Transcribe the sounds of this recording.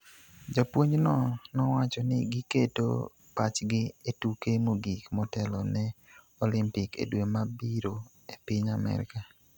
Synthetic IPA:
d͡ʒapwoɲnɔnɔwat͡ʃɔnɪɡiketo̰ | pat͡ʃɡɪetukemoɡikmɔtɛlɔnɛ | ɔlɪmpɪkḛdwemabiɾo | epɪɲamɛ̰ɾɪ̰ka

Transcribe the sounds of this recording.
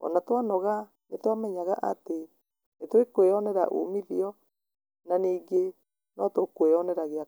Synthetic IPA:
ɔ̰natwanɔɣa | netwamɛɲaɣaʔate | netwekweɔnɛɾa̰ʔo̰miðiɔ | naniːɡe | nɔtokweɔnɛɾaɣea

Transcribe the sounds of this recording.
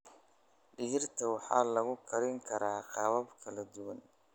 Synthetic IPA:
ɖɪɦɪrt̪ʰɐwɑħɑ̰ːlɐɣʊkʰɐɾɪŋkʰɐɾaːqɑβɐbkʰɐlɐd̪ʊwɐn

